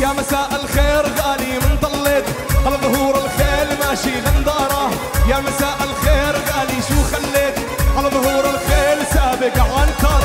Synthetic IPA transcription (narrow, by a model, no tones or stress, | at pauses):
jaːmasaːʔɪlxeːɾɣaːlimɪnd̪ˤɑlːet̪ʔalɑðˤhuːɾɪlxeːlmaːʃiɣand̪ˤɑːɾˤɑ | jaːmasaːʔɪlxeːɾɣaːliʃuːxalːeːt̪ | ʔalɑðˤhuːɾɪlxeːlsaːbɪkʕankɑːɾˤ